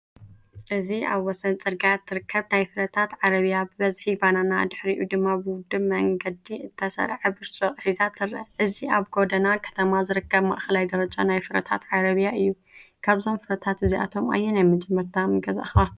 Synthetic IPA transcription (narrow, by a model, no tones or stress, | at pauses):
ʔɨzia̰βwɔsɐnt͡sʼɨɾɡat̪ʰːɨɾɨkːɐβnajfɨɾɐt̪ʰat̪ʕaɾɐβijabɨβɐzħibananad̪ɨħɾiʔud̪ɨmːabɨwʊd̪ɨmɐŋɡɐd̪iɨt̪ʰːɐsɐ̰ɾʕɨbɨɾt͡ʃʼoʔʼħizat̪ʰɨɾːɐʔɨziaβɡo̞d̪ɐnakʰɐ̥t̪ʰɐmazɨɾɨkːɐβma̰ʔxɐlajd̪ɐɾɐt͡ʃʼonajfɨɾɐt̪ʰa̰t̪ʕaɾɐβijaʔɨjːu | kʰaβzo̞mfɨɾɐt̪ʰat̪ɨziʔa̰t̪ʰo̞ma̰jːɛnajmɨd͡ʒʼɨmːɐɾt̪ʰamɨɡɐza̰xa